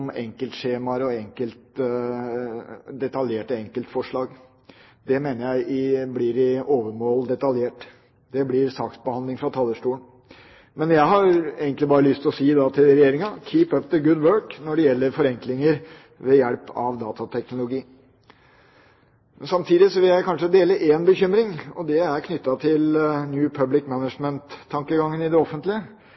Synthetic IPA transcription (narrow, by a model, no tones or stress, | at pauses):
mɛŋkəlt̪ʂeːmɑɾɔɛŋkəlt̪ | d̪ɛt̪ɑljeːʈɔɛŋkəlt̪fɔʂɭɑːɡ | d̪ɛmeːnəɾjæɪʔɪblɪɾɪoːʋəɾmoːld̪ɛt̪ɑljeːʈ | d̪ɛblɪɾsɑːksbəhɑnd̪lɪŋfɾɑt̪ʰɑlːəʂʈuːən | mɛnjæɪɦɑɾeːɡənt̪lɪbɑːɾəlʏst̪ɔsiːd̪ɑt̪ʰɪlɾɛjeːɾɪŋɑkʰiːpœp̚d̪əɡʊd̪wøːɹknɔɖɛjɛlːəɾfɔɾɛŋklɪŋəɾ | ʋɛjæɽpʰɑ̰ʋd̪ɑːt̪ɑt̪ʰɛknʊlʊɡiː | mɛnsɑmt̪ʰiːd̪ɪsɔʋɪljæɪkʰɑnʂəd̪eːləʔeːnbəçʏmɾɪŋɔd̪ɛæɾkʰnʏt̪ːɑt̪ʰɪlnjʉːpʰœblɪkmænəʂmənt̪ʰːɑŋkəɡɑŋːənɪd̪ɛɔfːənt̪lɪə